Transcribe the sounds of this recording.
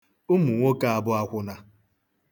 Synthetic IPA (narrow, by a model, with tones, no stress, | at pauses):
ʊ˦mu˨ŋʷo˦ka˦a˨bʊ˦a˦kʷʊ˦na˦